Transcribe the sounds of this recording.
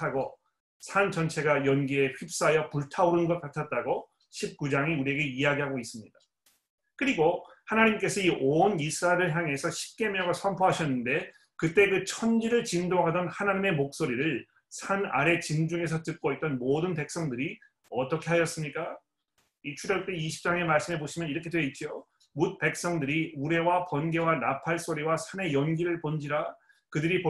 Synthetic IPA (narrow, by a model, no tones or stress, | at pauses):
aɡo | sʰant͡ɕʌnt͡ɕʰe̞ɡajʌnɡie̞ɸip̚s͈ajʌpuɭtʰauɾɯnnɡʌt̚k͈atʰat̚t͈aɡo | ɕʰip̚k͈ud͡ʑaŋiuɾie̞ɡe̞ijaɡiɦaɡois͈ɯmɲida | kɯɾiɡohanaɲimk͈e̞sʰʌiʔonisʰɯɾaeɾɯɭçjaŋe̞sʰʌɕʰi̥p̚k͈e̞mjʌŋɯɭsʰʌmpʰoɦaɕʰʌnːɯnde̞ | kɯt͈e̞kɯt͡ɕʰʌnd͡ʑiɾɯɭt͡ɕindoɦadʌnhanaɲime̞mok̚s͈oɾiɾɯɭ | sʰana̰ɾe̞t͡ɕind͡ʑuŋe̞s̬ʰʌt͈ɯk̚k͈oit̚t͈ʌnmodɯnpe̞k̚s͈ʌŋdɯɾi | ʌt͈ʌkʰe̞ɦaɕʌs͈ɯmɲik͈a | it͡ɕʰuɾʌɭ̚t͈eiɕʰi̥p̚t͡ɕ͈aŋe̞maɭs͈ɯme̞boɕʰimjʌniɾʌkʰe̞dweit̚t͡ɕ͈io | mut̚pe̞k̚s͈ʌŋdɯɾiuɾe̞wapʌnɡe̞wanapʰaɭs͈oɾiwasʰane̞jʌnɡiɾɯɭpond͡ʑiɾa | kɯdɯɾipo